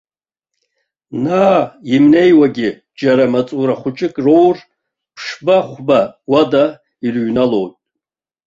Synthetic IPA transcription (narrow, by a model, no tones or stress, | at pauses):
naːimne̞jwaɡʲɪ | d͡ʒaɾamat͡sʼuɾaχʷʊt͡ʃʼɪkʼrowr | pʰʂbaχʷbawada | irɥnalo̞wtʼ